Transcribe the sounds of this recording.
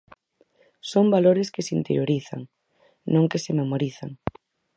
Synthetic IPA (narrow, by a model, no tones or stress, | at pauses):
sombaloɾɪskɪsint̪eɾjoɾiθa̰ŋ | nõŋkesɪmemoɾiθa̰ŋ